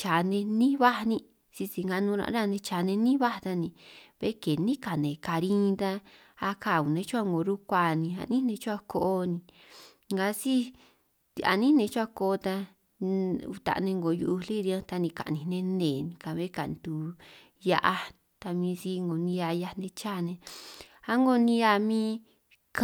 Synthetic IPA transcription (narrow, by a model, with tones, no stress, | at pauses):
t͡ʃa˨nẽ˧nĩ˦βa˦˧nĩ˧ | si˧si˧ŋɡa˧nũː˧ɾã̰˧ʔɾa˦˨˧nẽ˧t͡ʃa˨nẽ˧nĩ˦βa˦˧t̪a˧nĩ˧βḛ˧˦ke˨nĩ˦ka˨nẽ˨ka˧ɾĩ˦˧t̪a˧ | a˧ka˧˨u˨nẽ˧˦t͡ʃu˦a˦˨ŋɡo˨ɾu˦kʷa˧˨nĩ˧a̰˧˨nĩ˦nẽ˧t͡ʃu˦a˧ko˧ʔo˧nĩ˧ | ŋɡa˧si˦˧ | a̰˧˨nĩ˦nẽ˧t͡ʃu˦a˧ko˧t̪a˧ | ṵ˧t̪a̰˧˨˧nẽ˧ŋɡo˨ju˧u˧li˦˧ɾi˧ã˦t̪a˧nĩ˧ka̰˨nĩ˨˧nẽ˧nẽ˨nĩ˧ka˧βe˦ka˨nt̪u˧ | ja˧ʔa˧ | t̪a˧mĩː˧si˦ŋɡo˨nĩ˧ja˧ja˧nẽ˧t͡ʃa˦˨nẽ˧ | a˧ŋɡo˧nĩ˧ja˧mĩː˦˧ | k